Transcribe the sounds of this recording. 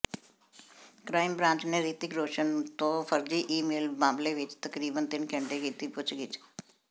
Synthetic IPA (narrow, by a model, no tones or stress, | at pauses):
kɾaːɪmbɾãːɲt͡ʃneːɾiːt̪ɪkɾoːʃənt̪õːpʰəɾd͡ʒiːʔiːmeːlbãːmleʋɪt͡ʃt̪əkɾiːbənt̪ɪnkʰə̃ɳʈekiːt̪ipʊt͡ʃʰɡɪt͡ʃ